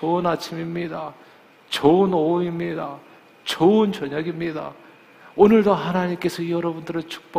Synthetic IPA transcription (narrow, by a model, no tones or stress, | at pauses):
t͡ɕonat͡ɕʰimimɲida | t͡ɕonouimɲida | t͡ɕount͡ɕʌɲʌɡimɲida̰ | onɯɭdoɦanaɲimk͈e̞sʰʌijʌɾʌbundɯɾɯɭt͡ɕʰu̥k̚p͈ʌ